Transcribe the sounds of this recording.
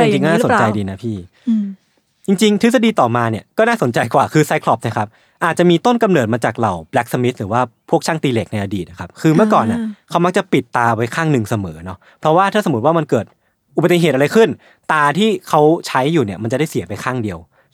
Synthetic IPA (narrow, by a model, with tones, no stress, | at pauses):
ji˧ŋt͡ɕi˧ŋkɔː˥˩a˥˧so˩˧˦t͡ɕa˧jdiː˧na˦˥pʰiː˥˩ | t͡ɕi˧ŋt͡ɕi˧ŋt̪̚ʰsa˧diː˧t̪ɔː˨˩maː˧ni˥˩əkɔː˥˩naː˥˩so˩˦nt͡ɕa˧jkwaː˨˩kʰɯː˧sa˦˥jkʰlɔ˨˦˩p̚na˦˥kʰa˦˥p̚ | ʔaː˨˩t͡ɕa˨˩miː˧t̪o˥˩nka˧mnɤː˨˩t̪̚maː˧t͡ɕaː˨˩k̚ɾa˨˩wblɛ˦˥k̚sa˧mi˦˥t̪̚ɾɯː˩˦waː˥˩pʰu˥˩k̚t͡ɕʰaː˥˩ŋt̪iː˧leː˨˩k̚na˧jʔa˧diː˨˩t̪̚na˨˩kʰa˦˥p̚kʰɯː˧mɯ˥˩əkɔː˨˩nʔa˧˩kʰa˦˥wma˦˥k̚t͡ɕa˨˩pi˨˩t̪ːaː˧wa˧jkʰaː˥˩ŋnɯ˨˧ŋsa˧mɤː˩˦nɔ˦˥ | pʰɾɔ˦˥waː˥˩t̪ʰaː˥˩sa˨mu˦˥t̪waː˥˩ma˧nkɤː˨˩t̪̚ | ʔu˨˩ba˧t̪i˨˩ɦeː˨˩t̪̚a˧ɾa˧jkʰɯ˥˩n | t̪aː˧t̪ʰiː˥˩kʰa˦˥wt͡ɕʰa˦˥jːuː˨˩ni˥˩ɐma˧nt͡ɕa˨˩da˥˩si˨˩˦pa˧jxʰaː˥˩ŋdi˧əw